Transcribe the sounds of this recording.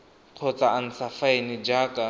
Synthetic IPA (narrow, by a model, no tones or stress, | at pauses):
q͡χʰɔt͡saan̩t͡safaenɪd͡ʒaːkʼa